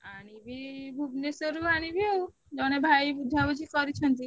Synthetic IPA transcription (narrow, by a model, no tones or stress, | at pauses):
aɽ̃ibʱibʱubnesɔɾuaɽ̃ibʱio | d͡ʒɔñebʱaibud̪ʱabəd͡ʒʱikɔɾit͡ʃʰɔnt̪i